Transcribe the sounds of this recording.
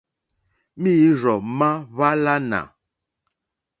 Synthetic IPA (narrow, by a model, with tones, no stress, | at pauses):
mi˦ɾɔ˨ma˦βa˦la˦na̰˨